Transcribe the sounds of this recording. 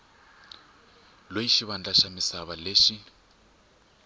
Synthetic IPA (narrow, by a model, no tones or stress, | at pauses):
lojiʃiβand͡ɮaʃamisaβaleːʃi